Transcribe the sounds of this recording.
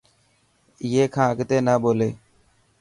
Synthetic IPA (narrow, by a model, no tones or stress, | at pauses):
jeːkʰãːkt̪eːnaːboːleː